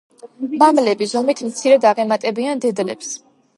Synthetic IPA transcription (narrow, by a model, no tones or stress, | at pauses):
mamlɛbizɔmit̪ʰmt̪sʰiɾɛd̪aʁɛmat̪ʼɛbiand̪ɛd̪lɛ̰ps